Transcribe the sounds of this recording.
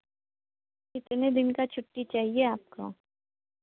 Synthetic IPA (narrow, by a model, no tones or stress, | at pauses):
ɪt̪ned̪ɪnkat͡ʃʰʊʈːit͡ʃaːɦieaːp̚ka̰